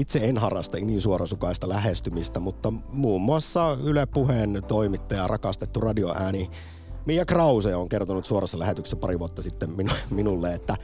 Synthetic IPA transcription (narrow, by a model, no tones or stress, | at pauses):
it̪seenɦɑrɑst̪ɑniːnsuorɑsukɑist̪ɑlæɦest̪ymist̪æmut̪ːɑmuːmːuɑsːɑylepːuhent̪oimit̪ːɑjɑrʔɑkɑst̪et̪ːurɑdioʔæːni | mijːækrɑusejɑoŋkert̪onut̪suorɑsːɑlæhet̪yksːæpɑɾiʋuot̪ːɑsit̪ːemminuminulːeet̪ːæ